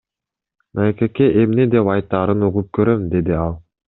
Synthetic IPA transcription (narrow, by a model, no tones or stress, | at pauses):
naekekeʔemned̪epɑjt̪ːɑːɾɯnuʁup̚køɾømd̪e̞d̪iɑlˠ